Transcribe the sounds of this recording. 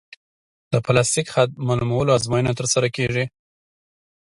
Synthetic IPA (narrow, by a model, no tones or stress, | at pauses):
d̪̥əplast̪ikxat̪̚malumawəloazmɑjənat̪əɾsaɾakeʐi